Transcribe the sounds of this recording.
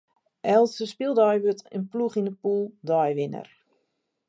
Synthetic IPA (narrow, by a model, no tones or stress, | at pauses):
ʔɛlˠsəspɪlˠdɔjʋøtə̰npluχinəpulˠdɔjʋɪnə̰r